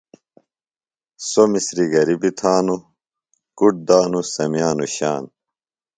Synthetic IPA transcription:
somisɾiɡɐɾibit̪ʰaːnu | kuʈ̚d̪aːnusɐmijaːnuɕaːn

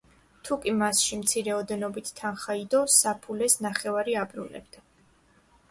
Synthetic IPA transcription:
t̪ʰukʼimasʃimt̪sʰiɾɛɔd̪ɛnɔbit̪ʰːanχaid̪ɔsapʰulɛsnaχɛvaɾiabɾṵnɛ̰bd̪̥a

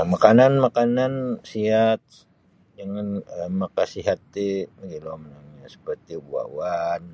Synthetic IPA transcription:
makananmakanansiat̪̚ | d͡ʒəŋanəmakasiɦat̪ːibəɡilomənaŋɲasə̥pərt̪ibua̰wan

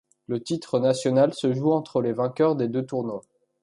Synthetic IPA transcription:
lət̪it̪χənasjɔnalsəʒuɑ̃t̪χəlevɛ̃kʲœʁd̪ed̪øt̪uʁno

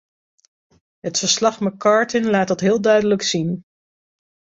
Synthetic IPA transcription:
ɦətfəɹslɑχməkɑːɹtənlaːt̚dɑtɦɪːlˠdœɥdələksin

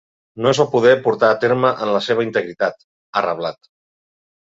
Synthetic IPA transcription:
noezapuð̞ɛpuɾt̪aːt̪eɾməʔənləseβ̞əint̪əɣɾit̪at̪ | ərə̰βlat̪

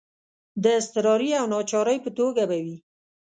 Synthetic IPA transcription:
d̪əɪst̪ɪɾɑɾiawnɑt͡ʃɑɾəjpət̪oɡabawi

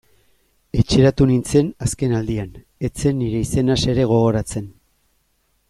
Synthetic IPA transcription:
e̞t͡ʃeɾat̪unint͡se̞naske̞nald̪ian | e̞t͡se̞nːiɾe̞ise̞nase̞ɾe̞ɣ̞o̞ɣ̞o̞ɾat͡se̞n

